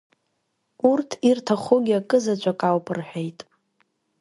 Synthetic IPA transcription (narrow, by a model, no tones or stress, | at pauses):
urtʰirtʰaχuɡʲiakʼɨzat͡ʃʷʼakʼawpʰʼɨrħʷᶣejtʼ